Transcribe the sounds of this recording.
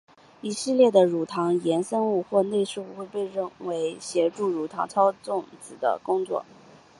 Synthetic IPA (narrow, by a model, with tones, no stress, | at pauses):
i˧˥ʂ̩˥˧ljɛ˥˩d̪ə˩ɻu˨˩t̪ʰɑ˧˥ŋjɛ˧˥nsə˥nu˥˧xwɔ˥˧ne˥˧ɪʂɻ̩˥˧u˥˩xwe˥˧ɪpe˥˧ɪɻə˥˩nwe˧˥ɪɕjɛ˧˥ʈ͡ʂu˥˩ɻu˨˩t̪ʰɑ̰˧˥ŋt͡sʰɑ˥ʊt͡sʊ˥˩ŋt͡sɹ̩˨˩d̪ə̰˦kʊ˥ŋt͡swɔ̰˥˩